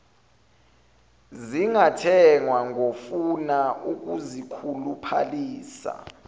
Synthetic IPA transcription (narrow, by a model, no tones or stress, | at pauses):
ziŋatʰɛŋwaŋʱofunauk̬ʼuzikʰulupʰa̰liːsa̰